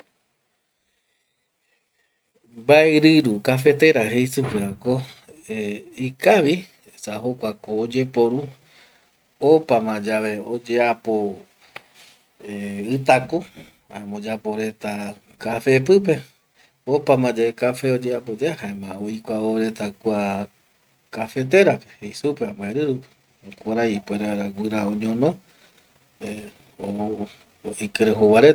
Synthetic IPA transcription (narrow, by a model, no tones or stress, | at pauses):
baeɾɨɾukafe̞t̪e̞ɾaɦejsɨpɨɾako̞eikaʋi | saɦokʷakoːd͡ʒe̞po̞ɾu | opamãd͡ʒaʋe̞od͡ʒe̞apo | eɨt̪ako | amõd͡ʒapo̞ɾe̞t̪a | kafe̞p̬ɨp̬e̞ | opamãd͡ʒaekafe̞od͡ʒeapod͡ʒeahaẽmãojkʷaoɾe̞t̪akʷa | kafe̞t̪̬e̞ɾapehejsupeambaeɾɨɾupi̥ | kʷaɾaipweɾawɨɾaoɲõnõ | e | o | ikɨɾeɦowaɾe